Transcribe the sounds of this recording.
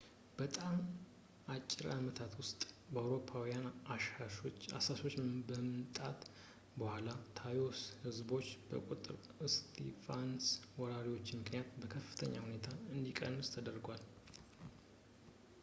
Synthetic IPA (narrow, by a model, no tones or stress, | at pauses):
b̥ət̪ʼam | ʔat͡ʃʼːɪɾamət̪ʰat̪wʊst̪ʼ | bəawɾo̞pʰawijanaʃaʃoa̰saso̞t͡ʃːbəmt̪ʼat̪ | bəhʷalat̪ʰajo̞shɨzbo̞t͡ʃːbə̰kʼut̪ʼɨ̰ɾ | ɨst̪ʰifanswɔɾaɾiwo̞t͡ʃːmɨknijat̪bəkʰəfːɨ̥t̪ʰə̰ɲːa̰hune̞t̪ʰaɨnd̪ikʼə̰nːɨst̪ʰəd̪əɾɡʷal